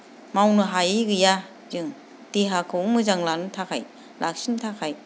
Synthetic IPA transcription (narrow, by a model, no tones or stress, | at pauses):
mawnɯɦajiɡɯja | zɯŋ | tiɦakʰɯwmɯzaŋlanɯtʰakʰaj | lʔa̰k̚sintʰakʰaj